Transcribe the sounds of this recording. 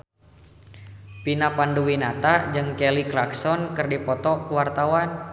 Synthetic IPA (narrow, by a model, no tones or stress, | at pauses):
pinapanduwinat̪ad͡ʒɨŋkɛliklaksɔnkɨrdipɔt̪ɔkəwart̪awan